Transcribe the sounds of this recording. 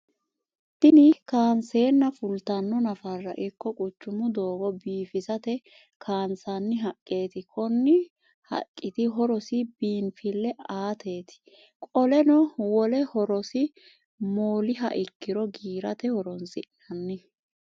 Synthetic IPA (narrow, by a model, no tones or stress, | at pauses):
t̪ɪnɪkaːnse̞ːnːɐfʊlt̪ɐnːɔnɐfɐrːɐ̰ʔɪkːɔkʼʊt͡ʃːʊmʊd̪o̞ːɡɔbiːfɪzɐt̪ɛ | kʰaːnsɐnːɪɦɐkʼːe̞ːt̪ɪkʰɔnːɪ | hɐ̰kʼːɪt̪ɪɦɔɾɔsɪbiːnfɪlːɛaːt̪ʰe̞ːt̪ɪ̥ | kʼɔlɛnɔwɔlɛhɔɾɔsɪ | moːlɪɦɐ̰ʔɪkːɪɾɔɡiːɾɐt̪ɛhɔɾɔnsɪʔ | ɐnːɪ